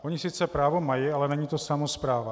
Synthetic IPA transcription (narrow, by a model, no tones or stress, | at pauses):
ʔoɲɪsɪt͡sɛpɾaːvo̞majɪʔalɛnɛɲiːt̪o̞samo̞spɾaːva